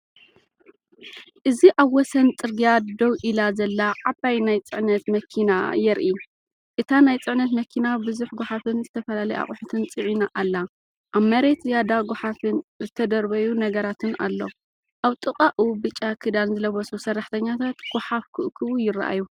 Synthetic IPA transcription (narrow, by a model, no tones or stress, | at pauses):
ʔɨziʔaβwɔsɐnt͡sʼɨɾɡijad̪owʔilazɐlːaʕabajnajt͡sʼɨʕnɐt̪mɐkʰina̰jɛɾʔi | ʔɨt̪ʰanajt͡sʼɨʕnɐt̪mɐkʰinabɨzuħɡʷoħafɨnzɨt̪ʰɐfɐlalɐjʔa̰χʼʊħɨt̪ʰɨnt͡sʼɨʕinaʔalːa | ʔaβmɐɾe̞t̪jad̪aɡoħafɨnzɨt̪ʰɐd̪ɐɾbɐjunɐɡɐɾat̪ʰɨna̰lːo̞̰ | ʔaβt̪ʼɨqʼaʔubɨt͡ʃʼːakʰɨd̪anzɨlɐβɔsusɐrːaħt̪ʰɐɲːat̪ʰat̪ɡ̥oħafkʰɨʔkʰɨβujɪra̰ʔa̰ju